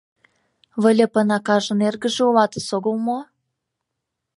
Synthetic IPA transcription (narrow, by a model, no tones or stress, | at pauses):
βə̆lʲĕpɤ̆nɑkɑʒɤ̆nerɣə̆ʒĕulɑt̪ɤ̆soɣolmo